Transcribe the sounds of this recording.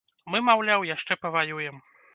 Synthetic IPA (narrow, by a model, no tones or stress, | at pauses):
mɨmawlʲawjaʂt͡ʂɛpɐvajujɛm